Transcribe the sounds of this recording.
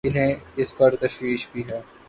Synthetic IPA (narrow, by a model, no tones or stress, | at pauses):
ɪlɦɛ̃ɪspɐɾt̪ɐʃwiːʃbʱiɦɛː